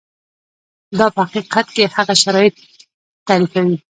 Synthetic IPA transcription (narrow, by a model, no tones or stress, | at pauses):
d̪ɑpəhaqiqat̪kehaɣaʃaɾɑjɪt̪̚ː | aɾifawi